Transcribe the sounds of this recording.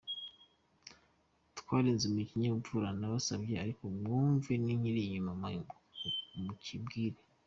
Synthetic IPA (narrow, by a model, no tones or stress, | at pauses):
tkwaːɾeːnzimikiɲaβuvuɾanaβasabjeaɾikomŋuːɱveniɲiɾiɲuma | mucʰibɡiːɾe